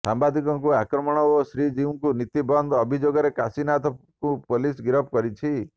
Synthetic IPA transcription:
sambad̪ʱikɔŋkuakɾɔmɔɽ̃ɔosɾid͡ʒiũŋkunit̪ibɔnd̪ɔbʱid͡ʒoɡɔɾekasinat̪ʰɔkũpolisɡiɾɔp̚kɔɾit͡ʃʰi

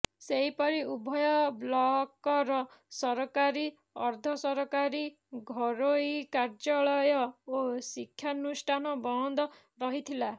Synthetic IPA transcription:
seɦipɔɾiubʱɔjɔblɔkɔɾɔsɔɾɔkaɾi | ɔɾd̪ʱɔsɔɾɔkaɾi | ɡʱɔɾoikaɾd͡ʒɔɭɔjɔosikʰːjanusʈʰanɔbɔɔnd̪ɔ | ɾɔɦit̪ʰila

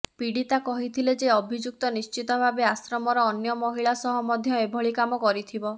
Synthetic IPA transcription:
piɽit̪akɔɦit̪ʰiled͡ʒeɔbʱid͡ʒuk̚t̪ɔnist͡ʃit̪ɔbʱabeasɾɔmɔɾɔːnjɔmɔɦiɭasɔɦɔmɔd̪ʱjɔebʱɔɭikamɔkɔɾit̪ʰibɔ

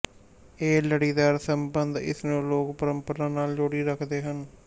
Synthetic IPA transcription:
eːləɽiːd̪aːɾsəmbənd̪ɪ̰snũːloːkpəɾəmpəɾaːnaːld͡ʒoːɽiːɾəkʰd̪eːɦən

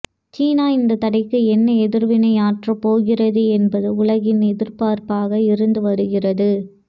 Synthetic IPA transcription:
t͡ʃiːnaːɪnd̪ɐt̪ɐɽɐɪkːɯɛnːɐɛðɪɾʋɪnɐɪaːʈrɐpoːɣɪrɐðɯɛnbɐðɯʊlɐɣɪnɛðɪɾpaːɾpaːɣɐɪɾɯnd̪ɯʋɐɾɯɣɪrɐðɯ

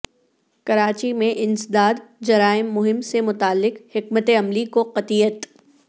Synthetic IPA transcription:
kɐɾaːt͡ʃimẽʔɪ̃nsɪd̪aːd̪d͡ʒɐɾaːɪmːʊɦɪmsemʊt̪aːlːɪqhɪkmət̪eɐmlikoqɐt̪iːət̪

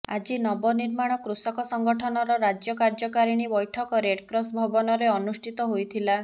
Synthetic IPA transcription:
a̰d͡ʒinɔbɔniɾmaɽ̃ɔkɾusɔkɔsɔŋɡɔʈʰɔnɔɾɔɾad͡ʒjɔkaɾd͡ʒɔkaɾiɽ̃ibɔjʈʰɔkɔɾeɽkɾɔsbʱɔbɔnɔɾeɔnusʈʰit̪ɔɦojt̪ʰila

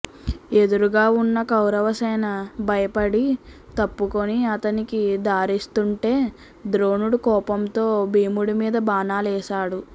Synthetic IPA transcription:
e̞d̪uɾuɡaːunːɐkɐwɾɐʋɐsɛːnɐbʱɐjɐpɐɽi | t̪ɐpːukoniɐt̪ɐnikid̪aːɾist̪uɳʈe̞ː | d̪ɾo̞ːnuɽukɔːpɐmt̪o̞ːbʱiːmuɽumiːd̪ɐbaːnaːlɛːʃaːɽu

